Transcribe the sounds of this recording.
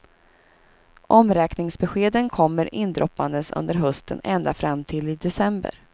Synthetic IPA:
ʔɔmɾɛːknɪŋsbɛɧeːd̪ənkʰɔmːəɾʔɪnd̪ɾɔpːand̪əsɵ̰nd̪əɾɦɵst̪ʰə̰nɛnd̪afɾamːt̪ʰɪlɪd̪ɛsɛmbə̰ɾ

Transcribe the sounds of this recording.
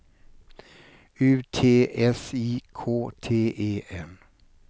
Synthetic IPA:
ʉːt̪ʰeːʔɛsiːkʰoːt̪ʰeːʔeːʔɛn

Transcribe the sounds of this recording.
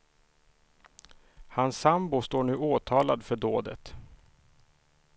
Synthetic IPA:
hansːambʊst̪oːɳʉ̟ːoːt̪ʰɑːlad̪fœɖoːd̪ə̰t̪

